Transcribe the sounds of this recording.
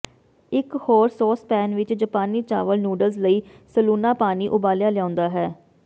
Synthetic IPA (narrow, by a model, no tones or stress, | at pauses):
ɪkhɔːɾsɔːspɛ̃ːnʋɪt͡ʃd͡ʒəpaːniːt͡ʃa̰ːʋəlnjuːɖəlzləiːsəluːnaːpaːniːʔʊbaːlɪjãːlɪãːnd̪aːɦɛː